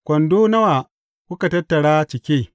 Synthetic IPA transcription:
kʷɔ˨ndo˦nɐ˦wa˨ | kʷu˦ka˨tɐ˦tːɐ˨ɽaː˦t͡ʃɪ˨kʲeː˦

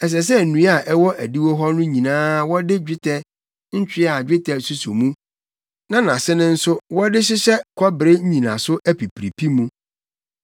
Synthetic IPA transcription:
ɛ˨s̬ɛ˨s̬ɛ˦n̩˨nũ˦a˨ʔɛ˦wɔ˦ʔæ˨di˦wɔ˦ɦɔ˦nʊ̃˦ɲĩ˨nãː˦wɔ˦dɪ˦d͡ʑᶣɪ˦tʰɛ˦ | ɲ̩˦t͡ɕᶣɪ˦a˨d͡ʑᶣɪ˦tʰɛ˨su˦su˨mũ˦ | nã˦nã˨sɪ˦nʊ̃˦n̩˦sʊ˦wɔ˦dɪ˦ɕ̬ɪ˦ɕɛ˦kʰɔ˦bɪ˨ɾe˦ɲ̩˦ɲĩ˨nã̰˨sʊ˦ʔæ˦pi˨pʰɾi˨pʰi˦mũ˦

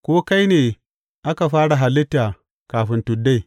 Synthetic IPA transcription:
kʷoː˦ka˦jneː˨ | ʔa˦ka˨ɸaː˦ɽa˨ɦa˨lɪ˦tːaː˨ | kaː˨ɸɪ˦ntʊ˨dːa˦j

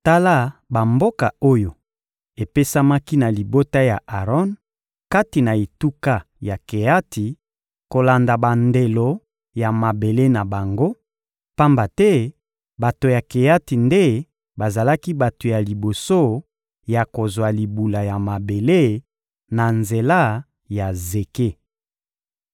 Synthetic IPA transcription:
ta˦la˦ba˨mbo˦ka˨o˦jo˨ | e˨pe˦sa˦ma˦ki˦na˨li˨bo˦ta˦ja˨ʔa˨ʁɔ˦n | ka˦ti˨na˨e˨tu˦ka˦ | ja˨ke˨ja˦ti˨ | ko˨la˨nda˨ba˨nde˨lo˨ | ja˨ma˨be˨le˦na˨ba˨ŋɡo˦ | pa˦mba˨tɛ˦ | ba˨to˨ja˨ke˨ja˦ti˨nde˦ | ba˨za˨la˦ki˦ba˨to˨ja˨li˨bo˨so˦ | ja˨ko˨zwa˨li˨bu˨la˨ja˨ma˨be˨le˦ | na˨nze˨la˦ | ja˨ze˨ke˦

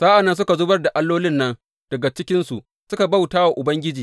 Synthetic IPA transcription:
saː˦ʔa˨nːɐ˦ns̬ʊ˦ka˨zʊ˦bɐ˦rda˨ʔa˦lːoː˦lɪ˦nːɐ˦n | d̥ɐ˨ɡa˨t͡ʃɪ˦kʲɪ˦nsu˨ʔ | sʊ˦ka˨ba˦˨wtaː˦wa˨ʔʊ˨bɐ˦ŋɡʲɪ˦d͡ʒiː˨

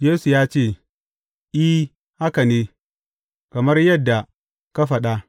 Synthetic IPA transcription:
jeː˦su˨jaː˦t͡ʃeː˦˨ | ʔi˦ | ha˦ka˨neː˦ | kɐ˨mɐ˦rjɐ˦dːa˨ | ka˦ɸɐ˨ɗa˦

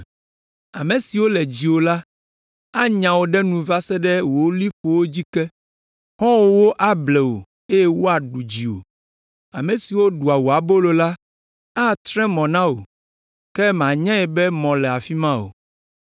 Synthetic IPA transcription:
a˨mẽ˨si˨wo˦lɛ˨d͡ʑi˨wo˨la˦ | a˦ɲã˨wo˨ɖɛ˦nũ˨va˦sɛ˦ɖɛ˦wo˨˦li˦ɸo˨wo˦d͡ʑi˦kɛ˦ | hɔ̃˦wo˦wo˦ʔa˦blɛ˨wo̰˨ | e˦je˦wo˦a˨ɖu˨d͡ʑi˨o̰˨ | a˨mẽ˨si˨wo˦ɖu˨a˨wo˨a˨bo˦lo˨la˦ | a˦t̪ɾɛ̃˦mɔ̃˨nã˦wo˨ | kɛ˦m˨ã˨ɲɛ̃˦ɛ˨bɛ˦mɔ̃˨lɛ˨a˨fi˦mã˦o̰˨

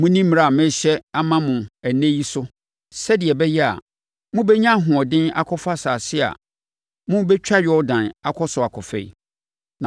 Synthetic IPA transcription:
mʊ̃˦nĩ˦m̩˦m̃˨ɾa˨mɪ̃˦ɕɛ˦a˦mã˦mʊ̃˨æ˨nẽ˦ji˦sʊ˦ | sɛ˦dɪ˨ɛ˨bɛ˦jɛ˦a̰˨ | mʊ̃˦bɛ˦ɲã˦˨ɦʊ̃˨ɔ˨dɪ̃˦na̰˨kʰɔ˦fa˦saː˨sɪ˦a̰˨ | mʊ̃˦bɛ˦t͡ɕᶣa˦ɥᶣɪ˨˦ɔ˦dã˨na˨kʰɔ˦sʊ˨a˨kʰɔ˨fɛ̰˨ḭ˨ | nã˨

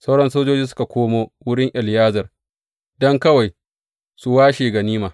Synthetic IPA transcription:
sɐ˦wɽɐ˦nsoː˦d͡ʒoː˦d͡ʒiː˦sʊ˦ka˨kʷoː˦moː˦wʊ˦ɽɪ˦ŋʔɪ˨ljaː˦zɐ˨r | dɔ˦ŋkɐ˦wa˨j | su˨waː˦ʃiː˨ɡɐ˨niː˦maː˨

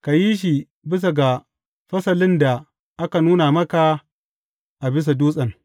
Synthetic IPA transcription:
ka˨ji˦ʃ̬i˨ | bɪ˦s̬a˨ɡa˨ | ɸɐ˦sɐ˨lɪ˦nda˨ | ʔa˦ka˨nuː˦na˨mɐ˦ka˨ | ʔa˨bɪ˦s̬a˨duː˦sʼɐ˨ŋ

